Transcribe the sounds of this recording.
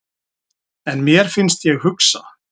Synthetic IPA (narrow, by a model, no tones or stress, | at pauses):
ɛnmjɛɾ̥fɪnst̪jɛɣhʏksa̰